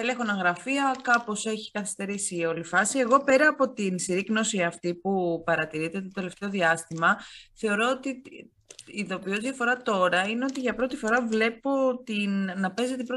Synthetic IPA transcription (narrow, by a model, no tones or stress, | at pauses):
elexo̞nɐŋɣɾɐfiɐkɐpo̞se̞çi̥kɐθi̥st̪e̞ɾisio̞lifɐsie̞ɣo̞pe̞ɾɐːpo̞t̪insiɾikno̞siɐft̪ipupɐɾɐt̪iɾit̪et̪ot̪e̞le̞ft̪e̞o̞ðiɐst̪imɐθe̞o̞ɾo̞ot̪i | iðo̞pio̞zðʝɐfo̞ɾɐt̪o̞ɾɐine̞o̞t̪iʝɐpɾo̞t̪ifo̞ɾɐvle̞po̞t̪innɐpe̞zet̪ibɾo